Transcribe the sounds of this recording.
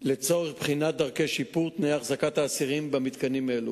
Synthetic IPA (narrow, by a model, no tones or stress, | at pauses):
let͡so̞ʁeχbχinat̪̚d̪aʁkejʃipuʁt̪nejaχzakat̪aːsiʁimbamit̪kanimaelu